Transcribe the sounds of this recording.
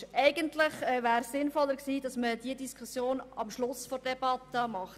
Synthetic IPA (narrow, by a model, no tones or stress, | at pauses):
ɛɪɡəntlɪχɛvæːɾssɪnfɔlːəɾksiːd̥ɑsməd̥iədiskʰusjoːnɑmʃlʊsfɔɾd̥ɛb̥ɑtəmɑχt